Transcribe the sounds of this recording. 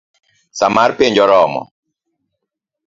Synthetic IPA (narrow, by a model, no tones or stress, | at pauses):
samaɾpeɲd͡ʒɔɾɔmɔ̰